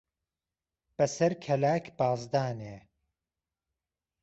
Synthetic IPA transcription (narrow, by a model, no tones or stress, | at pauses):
b̥ɐsɐɾkʰɐlaːkʰb̥aːzd̪aːneː